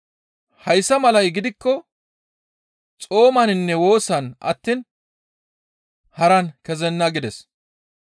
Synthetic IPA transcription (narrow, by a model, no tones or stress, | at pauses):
hɐjsːɐmɐlɐjɡɪd̪ɪkːɔ | t͡sʼo̞ːmɐnɪnːɛwo̞ːsɐnʔɐ̰t̪ːiːn | hɐɾɐnkɛzɛnːɐɡɪd̪ɛs